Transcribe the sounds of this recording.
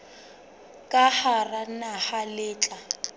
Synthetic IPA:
kʼaharanahalɪːt͡ɬʼa

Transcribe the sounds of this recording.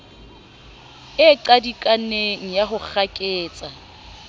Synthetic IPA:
ɪǃadikʼaneŋ̩jaχʊk͡xʰakʼɪːt͡sʼa

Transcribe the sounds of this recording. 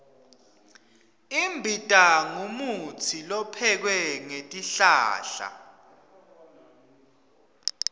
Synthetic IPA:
imbʱitʼaŋumut͡sʰilɔpʰɛk̬wɛŋetʼiɬa̰ːɬa̰

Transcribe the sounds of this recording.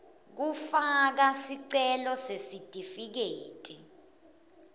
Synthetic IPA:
k̬ufak̬asiǀɛlɔsesid̥ʱʼifik̬eːtʼi

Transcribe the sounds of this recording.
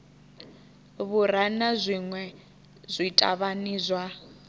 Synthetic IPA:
βuɾanazʷiŋwɛ | z̥ʷitʼa̰βaniːzʷwa

